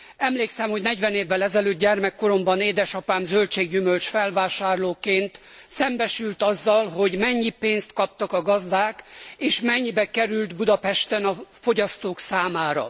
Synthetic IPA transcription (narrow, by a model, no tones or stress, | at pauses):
ɛmleːksɛmho̞ɟnɛɟʋɛneːvːɛlɛzɛløːt̪̚ɟɛrmɛkːo̞ɾo̞mbɒneːd̪ɛʃɒpaːmzølt͡ʃeːɡɟymølt͡ʃfɛlvaːʃaːrloːkeːnt̪ | sɛmbɛʃylt̪ɒzːɒlɦo̞ɟmɛɲːipeːnst̪kɒp̚t̪ɒkɒɡɒzd̪aːkeːʃmɛɲːibɛkɛɾylt̪bud̪ɒpɛʃt̪ɛnɒfo̞ɟɒst̪oːksaːmaːɾɒ̰